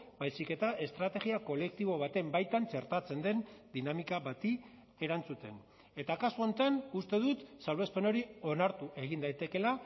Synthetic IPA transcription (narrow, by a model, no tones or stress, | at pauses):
bajsike̞t̪aʔe̞st̪ɾat̪e̞ɣiako̞le̞k̚t̪iβ̞o̞β̞at̪e̞mbajt̪ant͡ʃe̞ɾt̪at͡se̞nd̪e̞nd̪inamikaβat̪i | e̞ɾant͡sut̪e̞n | e̞t̪akasuo̞nt̪anust̪e̞ðut̪salβe̞spe̞no̞ɾio̞naɾt̪uʔe̞ɣ̞ind̪ajt̪e̞ke̞la